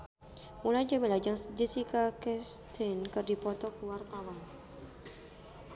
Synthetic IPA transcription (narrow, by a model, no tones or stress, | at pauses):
mulad͡ʒamilad͡ʒaŋd͡ʒisikakɛst̪ʰɛnkɨrdipɔt̪ɔkuwart̪awan